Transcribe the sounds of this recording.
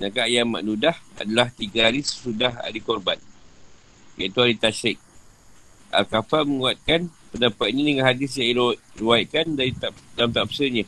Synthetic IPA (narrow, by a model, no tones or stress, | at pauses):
nakaʔjama̰ʔdudaha̰dalaht̪iɡaɾisə̥sudaɦa̰ɾikɔrban | jait̪uaɾit̪aʃɪk̚ | ʔa̰lkafalməŋuat̪̚kanpənapat̪̚ɲadəŋanɦadɪs̬jãŋiɾəwajt̪̚kandaɾit̪adamt̪apsəɲã